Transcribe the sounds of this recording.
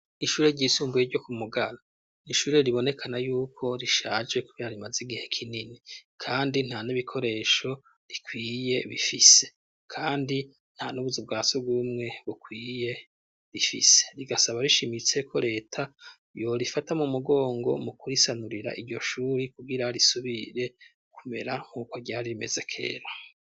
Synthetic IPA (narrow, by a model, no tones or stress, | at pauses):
iʃuːɾeɟiːsuːmbujeɾɟo̞kumuɡaɾo | niʃuːɾeɾiβo̞ne̞kʰanajuːkʰo̞ɾiʃaːd͡ʒekuβiaɾimaziɡihe̞kʰininikʰaːndin̥haniβikʰo̞ɾe̞ːʃo̞ | ɾikʰwiːje̞βḭfise̞̥ | kʰaːndi | n̥hanuβuzib̚ɡaːsubɡuːmŋe̞βukwiːje̞ | ɾifḭse̞̥ɾiɡasaβaɾiʃimit͡se̞kʰo̞ɾe̞ːtʰa | jo̞ɾifatamumuɡo̞ːŋɡo̞̰mukuɾisanuɾiɾa̰ʔiɾɟo̞ʃuːɾikuɡiɾaɾisuβiɾe̞ | kʰume̞ɾaŋ̥uːkoɾɟaɾiɾime̞ze̞kʰe̞̰ːɾo